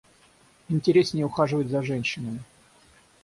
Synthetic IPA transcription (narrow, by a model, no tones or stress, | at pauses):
ɪnʲtʲɪɾʲesʲnʲɪjəʊxaʐɨvətʲzɐʐɛnʲɕːɪnəmʲɪ